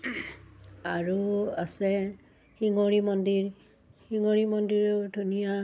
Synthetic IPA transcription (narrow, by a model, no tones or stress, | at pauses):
aɹuasɛ | xiŋoɹimɔndiɹ | hiŋoɹimɔndiɹodʱunija